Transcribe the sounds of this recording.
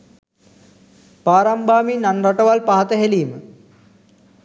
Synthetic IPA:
paːɾambaːminanraʈəʋalpaɦat̪əɦeliːmə

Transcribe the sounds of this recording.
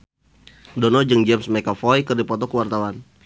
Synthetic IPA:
dɔnɔd͡ʒɨŋd͡ʒɛmsmɛkafɔjkɨrdipɔt̪ɔkəwart̪awan

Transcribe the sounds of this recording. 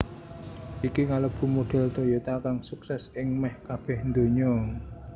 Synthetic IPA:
ʔikiŋaləb̥ṳmoɖ̥ɛ̤lt̪ojot̪akaŋsuksɛsɪŋmɛhkab̥ɛ̤hnd̪o̤ɲɔ

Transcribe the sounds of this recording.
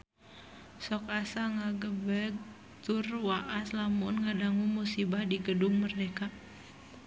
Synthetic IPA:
sɔkasaŋaɡəbɛɡ̚ | t̪urwaʔaslamunŋadaŋumusibahdiɡədʊŋmərdeka

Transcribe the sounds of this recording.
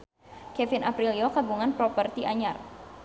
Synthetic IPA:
kɛfɪnapɾiliokabuŋanpɾɔpərt̪iʔaɲar

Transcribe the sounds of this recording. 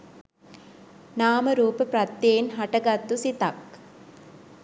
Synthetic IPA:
naːmɐɾuːpəpɾɐt̪ːjeːnɦɐʈɐɡɐt̪ːusit̪ɐk

